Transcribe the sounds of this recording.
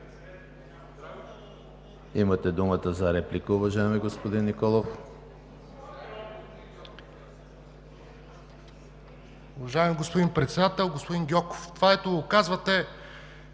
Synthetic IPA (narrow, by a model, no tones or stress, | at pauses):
imət̪ɛd̪umət̪əzɐɾɛplikəʊvɐʒaɛmiɡospod̪inːikɔlˠof | ʊvɐʒaɛmiɡospod̪impɾɛt̪sɛd̪at̪ɛlˠɡospod̪iŋɡʲɔko̥ft̪ovaɛt̪oɡokazvɐt̪ɛ